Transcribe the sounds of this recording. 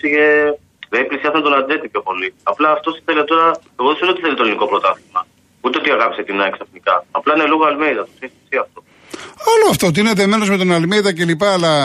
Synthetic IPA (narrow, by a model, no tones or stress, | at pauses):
iʝe | ðeniplisiɐsɐnt̪onɐd̪et̪ipço̞po̞liɐplɐːft̪osi̥θeliɐt̪oɾɐ | eɣoðusunot̪iθelit̪oliniko̞pɾo̞t̪ɐθizmɐ | ut̪eot̪iɐɣɐpi̥set̪inɐeksɐfnikɐːplɐineluɣoɐlmeiðɐt̪osist̪isiɐft̪o̞ | ɐloɐft̪ot̪̬ine̞t̪eme̞no̞zmet̪o̞nɐlmeiðɐce̞lipɐːlɐ